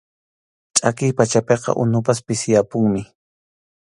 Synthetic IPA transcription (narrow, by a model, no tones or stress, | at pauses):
t͡ʃʼakɪjpat͡ʃapeqɑ̰ʔʊnʊpaspɪsɪjapʊŋmɪ